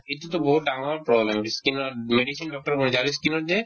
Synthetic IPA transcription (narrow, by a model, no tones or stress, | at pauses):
et̪ut̪obɔɦut̪̚ɖaŋapɾɔblemiskinoɾmeɖisinɖɔk̚ʈaɾbonid͡ʑaɾiskinoɾd͡ʑe